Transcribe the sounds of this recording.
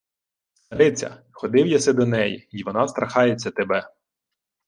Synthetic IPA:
st̪ɐɾɪt͡sʲɐ̰ | xɔd̪ɪwjasɛd̪ɔnɛjḭiʋɔnɑst̪ɾɐxɑjet͡sʲːɐt̪ebɛ

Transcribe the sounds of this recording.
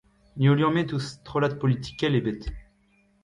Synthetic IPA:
nioljɔ̃met̪ust̪χɔlad̪̚pɔlit̪i̥kʲɛlebɛt̪e̥

